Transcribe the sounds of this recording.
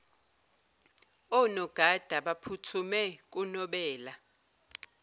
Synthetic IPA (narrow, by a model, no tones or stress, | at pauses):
ɔnɔɡ̥ʱad̥ʱaɓapʰutʰumɛk̬ʼunɔɓɛːla